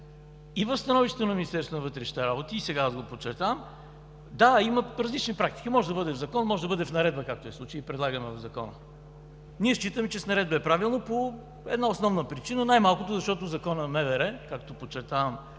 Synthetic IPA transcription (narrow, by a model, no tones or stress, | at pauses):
ivɐfst̪ɐnɔviʃt̪ɛ̥t̪onɐminist̪ɛɾst̪vonɐvɤt̪ɾɛʃni̥t̪ɛɾabot̪iːsɛɡaazɡopot͡ʃɛɾt̪am | d̪aiməɾɐzlit͡ʃnipɾak̚t̪i̥k̟imɔʒɛd̪ɐbɤd̪ɛvzɐkɔnmɔʒɛd̪ɐbɤd̪ɛfnɐɾɛd̪̚bəkak̚t̪oɛsˠut͡ʃiəipɾɛd̪lˠaɡəmɛvɐvzɐkɔnə̰ | niɛʃt͡ʃit̪əmɛt͡ʃɛsnɐɾɛd̪bəɛpɾavilˠnopo | ɛd̪naosnɔvnəpɾit͡ʃinənajmalˠkot̪ozɐʃt̪ɔt̪ozɐkɔnəmɛvɛɾɛkakt̪opot͡ʃɛɾt̪avm